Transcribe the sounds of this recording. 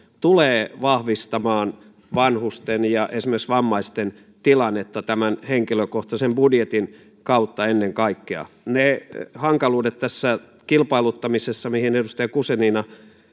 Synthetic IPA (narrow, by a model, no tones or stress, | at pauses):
t̪uleːʋɑhʋist̪ɑmɑːn | ʋɑnhust̪enjɑʔesimerksʋɑmːɑist̪en | t̪ilɑnːet̪ːɑt̪æmænheŋkiløkoht̪ɑsembudjet̪in | kɑut̪ːɑenːeŋkɑikːeɑ̰ | nehɑŋkɑluːdet̪t̪æsːæ | kilpɑilut̪ːɑmisesːɑmihinedust̪ɑjɑkuseninɑ